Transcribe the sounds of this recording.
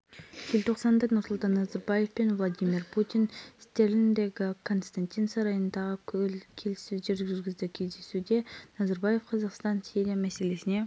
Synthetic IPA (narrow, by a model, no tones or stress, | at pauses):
ʒ̥elt̪ʰo̞qsɑnd̪ɑnʊɾsʊlˠt̪ɑnːɑzɑɾbɑje̞fpenvlˠad̪ʲimʲirpʰut̪inɪst̪e̞ɾɪnd̪e̞ɡʲɪkʰo̞nst̪anʲt̪ʲijnsɑɾɑjənd̪ɑʁəkʲʰʏlkʲʰe̞lɪsɪzʒeɾʒɡʲʏɾɡʲɪzd̪ɪkʲʰe̞zd̪e̞sud̪e̞nɑzɑɾbɑje̞fqʰɑzɑqst̪ɑnsʲiɾʲijamæse̞le̞sɪne̞